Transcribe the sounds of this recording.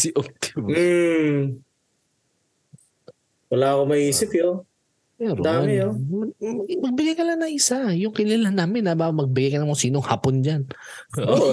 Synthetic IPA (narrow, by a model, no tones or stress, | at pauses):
sɪʔok̚t̪ɪb̩ | wɐlaːɐkomɐʔiːsɪpjo | ɛɾd̪aːmɪjoɐmɐɡmɐɡ̚bɪɡajkɐlanɐŋʔɪsajʊŋkɪlɐlanaːmɪnːɐbamɐɡ̚bɪɡajkɐnɐmosiːnoŋhaːpond͡ʒan | o